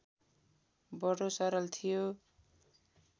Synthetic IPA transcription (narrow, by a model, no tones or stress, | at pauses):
bʌɽosʌɾʌlt̪ʰijo